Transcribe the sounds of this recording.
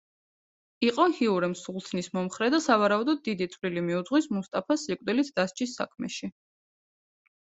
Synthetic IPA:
iqʼɔhiuɾɛmsulˠt̪ʰnismɔmχɾɛd̪asavaɾaud̪ɔd̪̚ːid̪it̪sʼvlilimiud̪zʁwismust̪ʼapʰasikʼd̪ilit̪ʰd̪ast͡ʃʰʼisːa̰kʰmɛ̰ʃi

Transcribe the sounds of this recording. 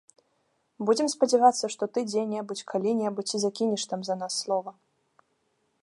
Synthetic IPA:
bud͡zʲɛmspɐd͡zʲavat̪sːɐʂt̪ɔt̪ɨd͡zʲɛnʲɛbut͡sʲkʰalʲinʲɛbut͡sʲizakʲinʲiʂt̪amzɐn̪asːlˠɔvɐ

